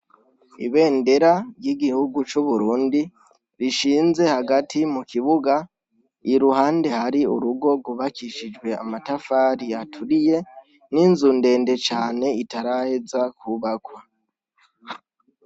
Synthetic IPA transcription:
ḭβe̞ːnde̞ɾaɾɟiɡihuɡut͡ʃuβuɾuːndi | ɾiʃiːnze̞haɡatimukiβuɡa | iɾuhaːnde̞haɾiṵɾuɡo̞ɡuβakiʃid͡ʒɡwe̞a̰matafaːɾiatʰuɾije̞ | niːnzuːnde̞ːnde̞t͡ʃaːne̞itaɾahe̞zakʰuβakwa

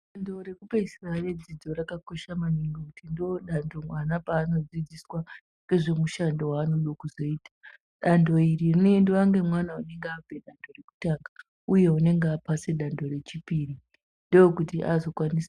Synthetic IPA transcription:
ɗando̞ɾe̞kupeisirared͡zid͡zo̞ɾakako̞ʃamaniŋɡokutindooɗandomanapaːno̞d͡zid͡ziswa | ke̞ʐe̞muʃandowaːnoɗokuzo̞iːtʰḁ | ɗando̞iɾirinendowaŋɡe̞mwanaune̞ŋɡeab͡vʱe̞ɗando̞reku̥taːŋɡa | uje̞une̞ŋɡeapase̞ɗando̞ɾe̞t͡ʃipiːri | ndejokutiʔazo̞kwanis

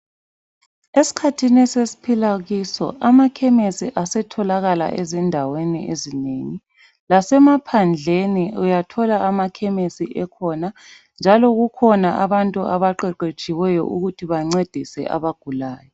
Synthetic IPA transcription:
esi̥kʰatʰinɛsesi̥pʰilaɣisɔ̰ʔamakʰɛmesiʔasɛtʰɔlaɣala̰ʔezindʱawenḭʔezineŋi | lasɛmapʰand͡ɮʱeniujatʰɔlaamakʰɛmesiʔɛkʰɔna | nd͡ʒʱalɔɣukʰɔnaʔaβantʼuaβaǃɛǃet͡ʃʼiwɛjɔ̰ʔuɣutʰiβaŋ͡ǀed̥ʱisɛ̰ʔa̰βaɡ̥ʱulaːjɔ

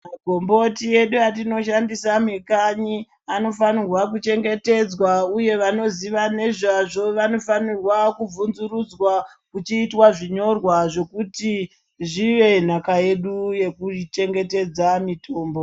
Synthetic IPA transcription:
mmaɡʱo̞mbo̞tie̞ɗuatino̞ʃandisamekaɲi | ano̞fanirwakut͡ʃe̞ŋɡe̞te̞d͡zwauje̞ʋano̞ziʋane̞ʐaʐo̞ʋano̞fanirwakub͡vunzurud͡zwa | kut͡ʃiːtwaʐiɲo̞rwaʐe̞kuti | ʐiʋe̞n̤akaje̞ɗuje̞kut͡ʃe̞ŋɡe̞te̞d͡zamitʰoːmbo

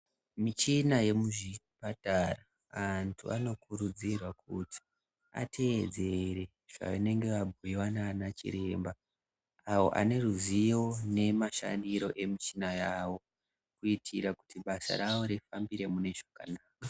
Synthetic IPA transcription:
mit͡ʃinaje̞muʐipatara | antʰṵano̞kurud͡zirwakuti̥ | a̰tʰe̞ːd͡ze̞re̞ | ʐ̥a̰ine̞ŋɡe̞ʋabʱuiwanaːnat͡ʃḭɾe̞ːmba | awo̞̰ʔa̰ne̞ruzio̞ne̞maʃa̰ndiɾo̞ʔe̞mit͡ʃinajaːwo̞ | kuitʰiɾaku̥tiɓasa̰ɾawoɾifambiɾe̞mune̞ʐaka̰naːka

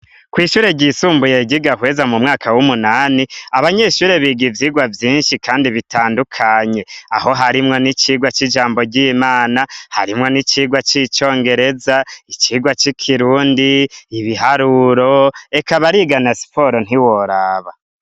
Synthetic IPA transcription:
kwiːʃuːɾeɟisuːmbuje̞ɟiɡahwezamumŋaːkʰawumunaːniaβaɲe̞ʃuɾeβiɡivjiːɡwavjiːnʃikʰaːndiβitaːndukʰaɲe̞a̰ho̞ɦaɾimŋo̞nit͡ʃiːɡwat͡ʃid͡ʒaːmbo̞ɟiːmaːnaha̰ɾimŋo̞nit͡ʃiːɡwat͡ʃit͡ʃo̞ːŋɡe̞ɾe̞zait͡ʃiːɡwat͡ʃikʰiɾuːndiːβiɦaɾuɾo̞e̞kaβaɾiɡanasi̥pʰo̞ɾon̥iwoɾaːβa

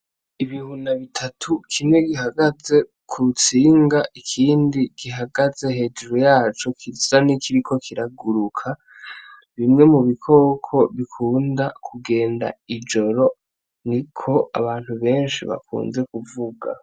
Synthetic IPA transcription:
iβihunaβitʰatʰukʰimŋe̞ɡiɦaɡaze̞ | kʰut͡siːŋɡaʔikʰiːndiɡ̥iɦaɡaze̞he̞d͡ʒɾojaːt͡ʃo̞kʰizanikʰiɾikʰo̞kʰiɾaɡuɾukʰa | βimŋe̞muβikʰo̞ːkʰo̞βikʰuːndakʰuɡe̞ːnda̰id͡ʒo̞ɾo̞ | nikʰo̞a̰βaːn̥huβe̞ːnʃḭβa̰kʰṵːnze̞kuvuɡa̰

